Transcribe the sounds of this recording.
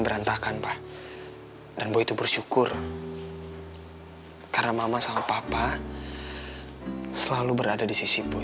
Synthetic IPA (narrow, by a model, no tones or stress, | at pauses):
bəɾant̪akanpah | danboit̪ubərʃukʊr | karnamamasamapapa | səlalubəɾadadisisibo